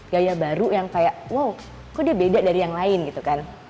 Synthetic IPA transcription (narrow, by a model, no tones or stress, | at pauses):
ɡajabaɾujaŋkajaʔwaw | kodiabedadaɾijaŋlaɪnɡit̪ukan